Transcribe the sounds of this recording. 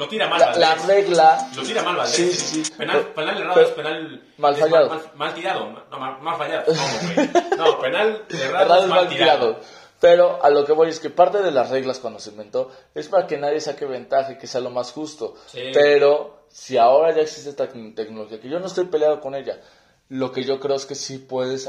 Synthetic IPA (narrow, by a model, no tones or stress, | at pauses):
not̪iɾamaalareɣlant̪iɾamalasisisipenapenaleraeɾpenal | malfaʝaðomalt̪iɾaðoomafaʝa | nopenaleeraðoemaltɾiɾaðo | pe̞ɾo̞ʔalo̞ke̞βo̞je̞ske̞paɾt̪e̞ð̞e̞lasre̞ɣlaskwand̪o̞seimbẽ̞nt̪o̞ | e̞spaɾake̞naðje̞sake̞β̞e̞nt̪axeke̞se̞alo̞masxust̪o̞ | pe̞ɾo̞ | siao̞ɾaʝaeksist̪eest̪t̪e̞knolo̞xiake̞ʝo̞noest̪o̞jpe̞ljaðoko̞ne̞ʝa | lo̞ke̞ʝo̞kɾe̞o̞eske̞sipwe̞ðes